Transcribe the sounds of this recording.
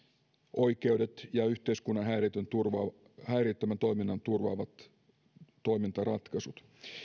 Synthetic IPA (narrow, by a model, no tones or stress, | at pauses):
ʔo̞jke̞ude̞t̪jɑyht̪e̞iskunːɑnɦæːrit̪ønt̪urʋɑ | hæːriːt̪ːømænt̪o̞jminːɑnt̪urʋɑ̰ːʋɑt̪ː | o̞jmint̪ɑrɑt̪kɑsut̪